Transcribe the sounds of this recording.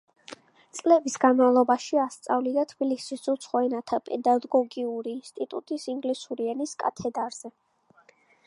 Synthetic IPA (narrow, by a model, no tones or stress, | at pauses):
t̪sʼlɛbisɡanmavlˠɔbaʃiast̪sʼavlid̪at̪ʰb̥ilisisut̪sʰχwɛnat̪ʰapʼɛd̪aɡɔɡiuɾiːnst̪ʼit̪ʼṵt̪ʼisiŋɡlisuɾiɛniskʼa̰t̪ʰɛd̪aɾz̥ɛ